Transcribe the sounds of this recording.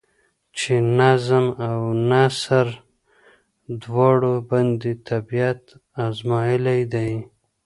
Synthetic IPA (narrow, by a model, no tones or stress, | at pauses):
t͡ʃenazɪmawnasaɾ | d̪wɑɽoband̪it̪ʰabijat̪azmɑjɪlajd̪aj